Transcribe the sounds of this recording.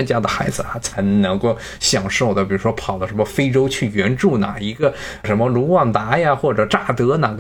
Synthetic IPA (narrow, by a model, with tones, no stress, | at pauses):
nt͡ɕja˥d̪ə˨xa˧˥ɪd͡zɹ̩˧a˧˥t͡sʰa˧˥ɪnɤ˧˥ŋko˥˩ʊ | ɕjɑ˨˩ŋʂo˥˩ʊd̪ə˩p̬i˨˩ɻu˧˥ʂwɔ˥pʰɑ˨˩ʊd̪ə˦ʂə˧˥nmə˧fe˥ɪʈ͡ʂo˥ʊt͡ɕʰy˥˩ɥɛ˧˥nʈ͡ʂu˥˩na̰˨˩i˧˥ɡə˧ | ʂə˧˥nmə˧lu˧˥wɑ˥˩ŋt̪a˧˥ja˧xwɔ˥˩ʈ͡ʂɤ˨˩ʈ͡ʂa˥˩t̪ɤ˧˥na˨˩ɡ